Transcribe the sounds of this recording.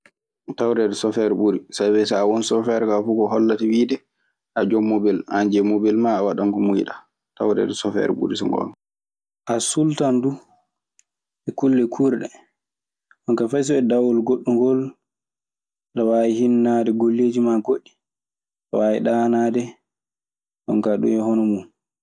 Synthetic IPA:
tawɾɛdɛsɔfɛɾɓuɾisabɛsawɔnsɔfɛɾkafukɔhɔlːatiwiːdɛ | ʔad͡ʒɔmːobiland͡ʒɛmobilmaːwaɗaŋkɔmujiɗa | tawɾɛ̰dɛsɔfɛ̰ɾɓṵɾisɔ̰ŋɡɔ̰ɔ̰n | ʔasultandu | ʔɛkulːɛkʰuɾɗɛ | ɗɔnkafajs̬ɔɛdawɔlɡoɗːuŋɡɔl | ɗawaihinːadɛɡolːed͡ʒimaɡoɗːi̥ | ɗawaiɗanadɛ | ɗɔ̰nkaɗṵmɛhɔnɔmum

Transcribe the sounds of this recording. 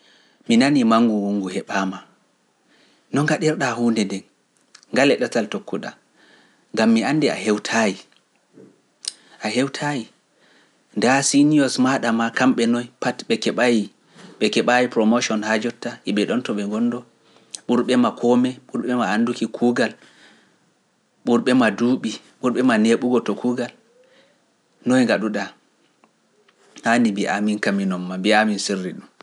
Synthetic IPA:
minanimaŋɡuwuŋɡuhɛɓama | nɔŋɡaɗɛɾɗahuːndɛndɛn | ŋɡalɛɗataltokːuɗa | ŋɡamːianːdɛa̰hɛwtʰaji | ʔaɦɛwtʰaji | ndasiniɔsmaɗamakamɓɛnɔjpatɓɛkɛɓaji | ɓɛkɛɓajipɾɔmoʃɔnhad͡ʒɔtːaʔɛɓɛɗɔntɔɓɛŋɡɔndɔ | ɓuɾɓɛmakʰɔmɛɓuɾɓɛmaːndukikʰuːɡal | ɓuɾɓɛmaduːɓi | ɓuɾɓɛmaneɓuɡɔtɔkʰuːɡal | nɔjŋɡaɗuɗa | hanimbiʔaminkaminɔmːabiaminsirːiɗum

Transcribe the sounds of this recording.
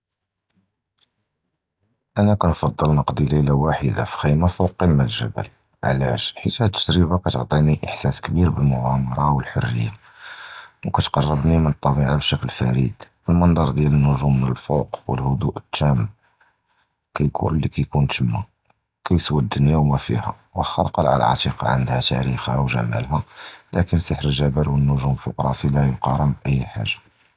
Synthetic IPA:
ʔænækænfɑd̪ˤːəlnəqd̪iləjlawaħəd̪a̰fi̥xijmafowqimːælʒæ̰bə̰l | ʕlæ̰ʃħit̪hæt̪ːə̥d̪ɾəbakæt̪əʕt̪ˤiniʔəħsæskbiɾbəlmʊʕamɑɾˤɑwəlħorːə̰jːa | wkæt̪qɑrˤːəbnimənət̪ˤːɑbiʕabʃæklfæ̰ɾḭd̪̥ʔəlmənd̪ˤɑɾˤd̪jælənːʊʒumːənəlfoqwə̰lhʊd̪uʔət̪ːæm | kæjkʰṵnlːikæjkunt̪əmːa | kæjswəd̪ːənjæwmæfḭhæ̰ | wəxɑlqɑlʕa̰l̰ʕɑ̰t̪iqɑ̰ʕə̰nd̪hæt̪æ̰ɾixhæwʒæ̰mæ̰lɦælʔækənsəħɾəlʒæbælwənːʊʒuməlfʊqɾˤɑsilæjʊqɑɾˤəmbʔəjːħa̰ʒːḁ

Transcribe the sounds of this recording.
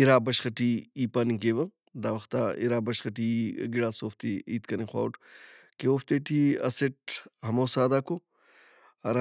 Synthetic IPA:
iɾaːbɐʃxɐʈʰiiːpanikeːʋɐ | d̪aːʋɐxt̪aḭɾaːbɐʃxɐʈʰiɡiɽaːsoːft̪iiːt̪kɐnixwa̰ːuʈkeoːft̪eːʈʰiɐ̰seʈ̚hɐmoːsaːd̪aːko | ɐɾa

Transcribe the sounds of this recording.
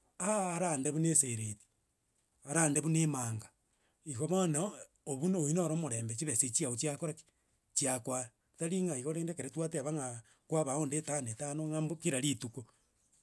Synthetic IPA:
aːɾandeβuneseɾeti̥ | aɾandeβunemaːŋɡa | iɣoβana | oβunoinoɾomoɾeːmbet͡ʃiβeset͡ʃiaut͡ʃiakoɾaki̥ | t͡ʃiakwaa | taɾiŋaiɣoɾeːndekeɾetwateaβaŋa | kwaβaondetanetanoŋambokiɾaɾituko

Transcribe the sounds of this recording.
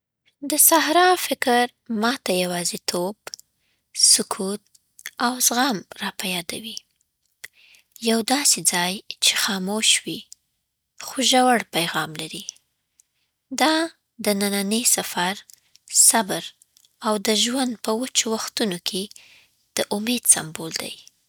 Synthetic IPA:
d̪əsahɾɑfɪkɾ | mɑt̪ajawɑzet̪ʰob | sʊkʰut̪̚ | awzɣamɾɑpajɑd̪a̰wi | jawd̪ɑsed͡zɑjt͡ʃe̥xɑmoʃwi | xoʒawaɽpajɣɑmlaɾi | d̪ɑ | d̪ənananəjsafaɾ | sabəɾ | awd̪əʒwand̪̚pəwat͡ʃowaxt̪unokʰe | d̪̥əʔʊmed̪sambold̪a̰j

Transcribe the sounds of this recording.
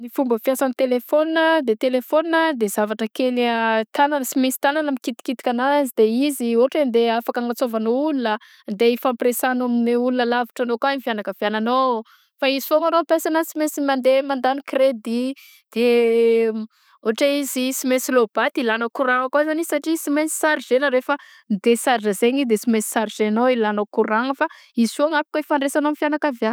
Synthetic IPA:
nifumbəfjasanit̪elefoninəd̪et̪elefoninəd̪ez̥avaʈ͡ʂəkelt̪ananəsimesi̥t̪ananəmikit̪i̥kit̪i̥kʲanazid̪eizioʈ͡ʂed̪eafakaŋɡat͡sovanoulunə | nd̪eifampresanamineulunəlavi̥ʈ͡ʂanokanifjanakəvjanano | faizifoŋaɾompesanasimesimand̪emand̪anikred̪i | d̪̥e | oaʈ͡ʂaizisimesilob̥at̪ilanokuɾaŋakwazanisaʈ͡ʂisimesi̥saɾizenəɾefə | nd̪esaɾʈ͡ʂəzeɲid̪esimesi̥saɾzenoilanokuɾaŋəfa | iz̥uaŋapi̥kaifaɳɖ͡ʐesanoamifjanakavjan

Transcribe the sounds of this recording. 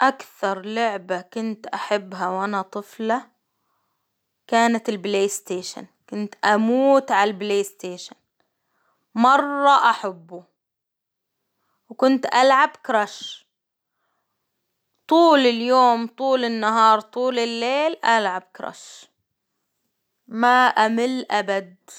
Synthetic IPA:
ʔakθɑɾˤlʊʕbakʊnt̪ʔaħabːɦawʔanat̪ˤɨfla | kaːnat̪ɪlbleːst̪eːʃa̰nkʊnt̪ʔamuːt̪ʕalbleːst̪eːʃan | mɑrˤːɑʔaħabːu | wkʊnt̪ʔalʕabkɾˤaʃ | t̪ˤuːlɪljoːmt̪ˤuːlɪnːaɦɑːɾˤt̪ˤuːlɪlːeːlʔalʕab̚kɾˤa̰ʃ | maʔamɪlːʔabad̪̚

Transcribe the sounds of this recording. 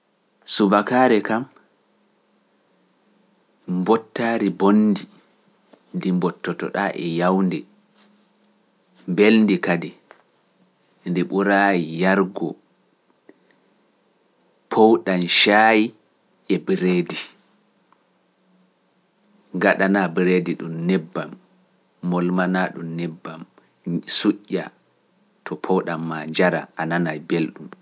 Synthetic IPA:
subakaːɾɛkam | mbɔtːaːɾibonːdi | ndimbɔtːɔtɔ̰ɗaʔɛ̰jawndɛ | mbelndikadɛ | ndiɓuɾaːjijaɾɡɔ | pʰowɗanʃaːji | ʔɛbiɾeːdi | ŋɡaɗanabɾediɗumnɛbːamː | ɔlmanaɗṵmnɛbːam | suʔʲːa̰ | tʰɔpʰɔwɗamːaɲd͡ʒaɾa̰ʔananajbelɗum

